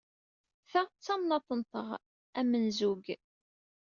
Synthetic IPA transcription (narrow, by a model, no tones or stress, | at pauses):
θæʁt͡sːɑmnɑt̪ˤənt̪ˤə̰ʁ | æmənzuɡ